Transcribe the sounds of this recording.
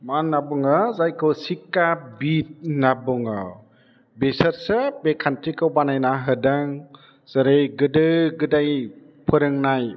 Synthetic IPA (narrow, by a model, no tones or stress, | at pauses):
manːabɯŋɯzajkʰɯsikːabit̚nabɔŋɯ̰ | besəɾsɯbekʰantɾikɯwbanajnaɦɯdaŋ | sɯɾɯjɡɯdɯɡɯdaj | pʰɯɾɯŋnaj